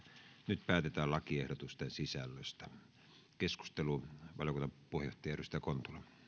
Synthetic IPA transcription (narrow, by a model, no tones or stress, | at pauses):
nyt̪pæːt̪et̪æːllɑkiehɾot̪ust̪ensisælːøst̪æ | kesku̥st̪eluʋɑljokunːɑpuhejˑoht̪ɑjɑˑeʔyst̪ækont̪ulɑ